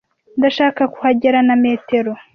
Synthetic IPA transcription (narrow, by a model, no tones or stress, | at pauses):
ndaʃaːkaku̥haɟeɾaname̞ːte̞ɾo